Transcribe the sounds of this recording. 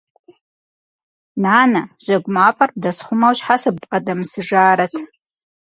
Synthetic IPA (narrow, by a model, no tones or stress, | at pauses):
naːnaʒʷaɡʷʼmafʼarb̚dasχʷʊmawɕħasɨbqʼadamsɨʐaːɾatʰ